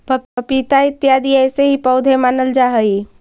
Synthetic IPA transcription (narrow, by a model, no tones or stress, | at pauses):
pəəpit̪aɪt̪jaːd̪iɛːseɦipəʊd̪ʱemaːnəld͡ʒaɦəi